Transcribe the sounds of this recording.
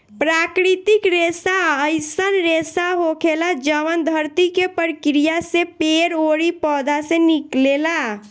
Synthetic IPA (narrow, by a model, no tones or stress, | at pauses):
pɾakɾit̪ikɾesaəɪsənɾesaɦokʰelad͡ʒəʋənd̪ʱəɾt̪ikepəɾkɾijasẽpeɾoɽipɔd̪ʱasẽniklela